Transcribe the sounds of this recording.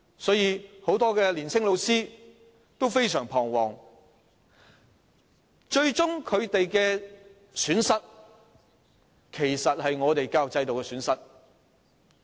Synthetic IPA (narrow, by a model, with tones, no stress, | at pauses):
sɔː˨˥jiː˨˧ho˨˥wt̪ɔː˥kɛː˧liː˨˩nsɪ˥ŋlo˨˧wsiː˥ | t̪o˥wfe˥jsœː˨˩ŋpʰɔː˨˩ŋwɔː˨˩ŋ | t͡ʃɵ˧ɥt͡ʃʊ˥ŋkʰɵ˨˧ɥt̪e˨jkɛː˧ | syː˨˥nsɐ˥t̚ | kʰe˨˩jsɐ˨t̚hɐ˨jŋɔː˨˧t̪e˨jkaː˧wt͡sɐ˧jt̪o˨wkɛ˧syː˨˥nsɐ˥t̚